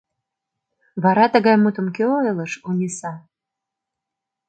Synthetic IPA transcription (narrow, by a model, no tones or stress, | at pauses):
βɑɾɑt̪ə̆ɣɑjmut̪ə̆mkeoeləʃunʲesɑ